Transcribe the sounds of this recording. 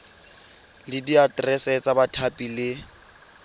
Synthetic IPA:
lɪdiatʼrɛsɛt͡sabatʰapʼilɪ

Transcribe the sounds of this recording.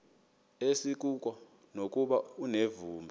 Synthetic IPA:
esik̬ʼuk̬ʼɔ | nok̬ʼuɓaunevuːmbʱɛ

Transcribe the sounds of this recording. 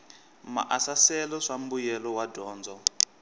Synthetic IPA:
ma̰ʔasasɛlɔʂambujɛlɔwadɔːnd͡zɔ

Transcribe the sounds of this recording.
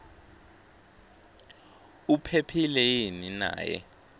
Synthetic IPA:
upʰepʰilɛjinina̰ːjɛ̰

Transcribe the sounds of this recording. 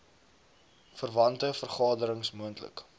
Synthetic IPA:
fərvɐntəfərχɑːdəɾəŋsmuəntlə̰k

